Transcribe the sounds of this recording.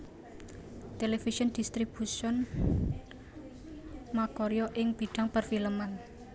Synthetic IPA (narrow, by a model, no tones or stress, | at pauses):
t̪elefisɔnd̪̥ist̪ɾib̥usɔn | makɔɾjɔʔɪŋb̥iɖ̪̥a̤ŋpərfiləman